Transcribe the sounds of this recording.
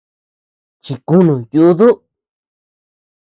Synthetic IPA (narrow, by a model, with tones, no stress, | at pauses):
t͡ʃi˧˨ku˦nũ˨ju˧˦ðu˦